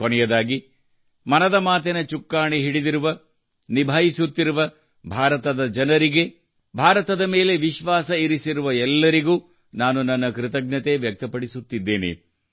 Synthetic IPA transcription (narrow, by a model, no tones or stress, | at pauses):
kɔnɛjɐd̪aːɡi | mɐnɐd̪ɐmaːt̪̬ɛnɐt͡ʃukːaːɳiɦiɽid̪iɾuʋɐ | nibʱaːjisut̪ːiɾuʋɐ | bʱaːɾɐt̪ɐd̪ɐd͡ʒɐnɐɾiɡe̞ | bʱaːɾɐt̪ɐd̪ɐme̞ːle̞ʋiʃʋaːsɐiɾisiɾuʋɐɛlːɐɾiɡuː | naːnunːɐnːɐkɾɪt̪ɐɡ̚nɐt̪e̞ʋjɐk̚t̪ɐpɐɽisut̪ːid̪ːeːnḛ